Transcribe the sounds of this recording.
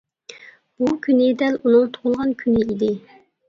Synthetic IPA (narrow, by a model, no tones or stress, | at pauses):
bukʲynɪd̪ɛlunɨŋt̪ʰo̥ʁʊlˠʁɑnkʲʰynɪid̪ɪ